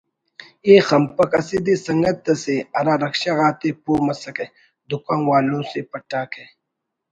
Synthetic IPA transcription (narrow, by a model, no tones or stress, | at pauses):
eːxɐmpɐkɐsid̪isɐŋɡɐt̪ːɐseɐɾaːɾɐkʃaɣaːt̪epoːmɐsɐke | d̪ukaːnwaːlõːsepɐʈaːke